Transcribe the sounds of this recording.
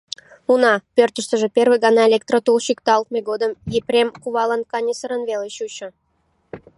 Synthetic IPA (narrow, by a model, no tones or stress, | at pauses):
unɑpørt̪əʃt̪əʒĕpʲerβɨjɡɑnɑelʲek̚t̪rot̪ulɕikt̪ɑlˠt̪̚mʲeɡod̪əmjeprʲemkuβɑlənkɑnʲisəɾənβeleɕut͡ɕə̆